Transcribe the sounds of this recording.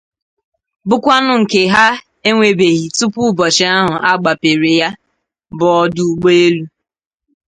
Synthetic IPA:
bʊ˦kʷa˦nʊ˦ŋ̩˨ke˨ɦa˦ | e˦ŋʷe˨be˨ɣi˨tu˦pʊ˦bɔ˨t͡ʃɪ˨a˦ɦʊ˨ʔa˦ɡ͡ba˨pe˨ɾe˨ja˦ | bɔ˨ɔ˦dʊ˦˨ɡ͡bo˦e˦lu˦

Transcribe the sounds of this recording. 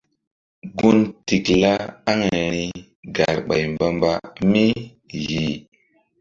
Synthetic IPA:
ɡu˦nti˨kla˦a˦ŋa˨ɾi˦ | ɡa˨ɾɓa˨jmba˦mba˦mi˦ | ɣi˨

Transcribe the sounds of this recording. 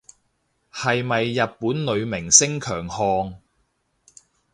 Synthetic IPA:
hɐ˨jmɐ˨jːɐ˨t̚puː˨˥nlɵ˨˧ɥmɪ˨˩ŋsɪ˥ŋkʰœː˨˩ŋhɔː˧ŋ

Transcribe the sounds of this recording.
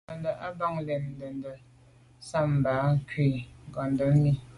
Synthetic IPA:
ə˨ndə˨ʔa˦ba˦˨ŋlɛ˨nn˦də˨ndə˨ | sa˦˨m˨ba˨˦kwe˨ŋ˨ɡɔ˨ndə˨˦mi˦

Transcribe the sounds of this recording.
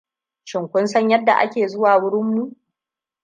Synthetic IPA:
ʃɪ˨ŋkʷʊ˦nsɐ˦ɲjɐ˦dːa̰˨ʔa̰˦kʲeː˨zʊ˦waː˨wʊ˦ɽɪ˦mːu˦ʔ

